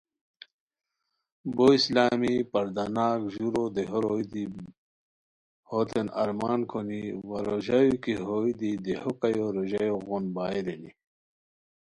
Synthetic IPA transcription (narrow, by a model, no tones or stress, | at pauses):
boːislaːmipɐɾd̪anaːkʑuɾod̪eɦoɾoid̪i | hot̪enɐ̰ɾmaːnkʰoniwɐɾoʑajukiɦoid̪id̪ehokɐjoɾoʑɐjoɣonbaːed̪eni